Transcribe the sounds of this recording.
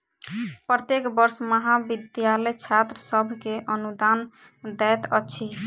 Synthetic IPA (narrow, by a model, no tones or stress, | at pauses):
pɾət̪jekbəɾsməɦabid̪jaləjt͡ʃʰat̪ɾəsəbʱkeʔənud̪an | d̪ɛjt̪ə̰ːt͡ʃʰi